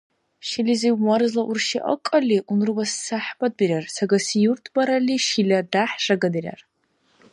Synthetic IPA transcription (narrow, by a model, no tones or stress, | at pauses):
ʃiliziwmarzlaʔurʃiʔa̰kʼaliʔunrɨbasːaħbad̚birʲarsaɡasijurtʰbaɾaliʃilʲadaħʂaɡadɨrʲa̰r